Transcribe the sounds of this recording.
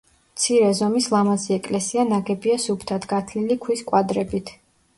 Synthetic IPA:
mt̪sʰiɾɛzɔmislˠamaziɛkʼlɛsianaɡɛbiasupʰt̪ʰad̪ɡat̪ʰlilikʰwiskʼwad̪ɾɛbit̪ʰ

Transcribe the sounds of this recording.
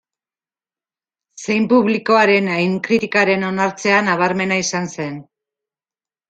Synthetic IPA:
se̞jmpuβliko̞aɾe̞najŋkɾit̪ikaɾe̞no̞naɾt͡se̞anaβ̞aɾme̞naisanse̞n

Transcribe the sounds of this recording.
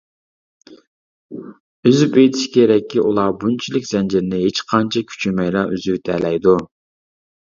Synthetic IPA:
yzypejt̪ʰi̥ʃkʲʰeɾɛkʲʰːiʔulˠɑbunt͡ʃʰilɪkʲz̥ɛnd͡ʒɪɾɪnɪɦet͡ʃqʰɑnt͡ʃʰɑkʲʰy̥t͡ʃʰymɛjlɑyzywt̪ʰɛlɛjd̪u

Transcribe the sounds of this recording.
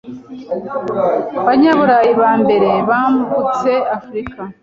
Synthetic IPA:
βaɲaβuɾajiβaːmbe̞ɾe̞βaːmuɡut͡se̞afɾika

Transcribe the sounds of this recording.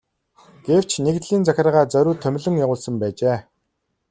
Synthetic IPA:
ɡ̥ew̥t͡ɕʰnekt̪ɮiːnt͡sæxʲɪ̆rʁaːt͡sœɾʲuːt̪ʰːœmʲɮɵ̆ŋjaʁʊːɮsə̆mpæːt͡ɕeː

